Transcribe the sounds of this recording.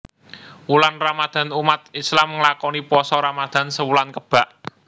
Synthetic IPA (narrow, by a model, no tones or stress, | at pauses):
wulanramad̪̥ä̤numat̪̚islamŋəlakɔnipɔsɔɾamad̪̥a̤nsəwulankəb̥a̤ʔ